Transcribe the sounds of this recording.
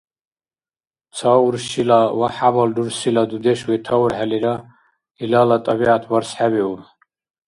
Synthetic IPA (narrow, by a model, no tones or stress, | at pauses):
t͡sʰauɾʃilawaħabald̪uɾsilad̪ud̪ɛʃwɛt̪ʰauɾħaliɾa | ilalat̪ʼabiʕat̪ʰwaɾsħabiun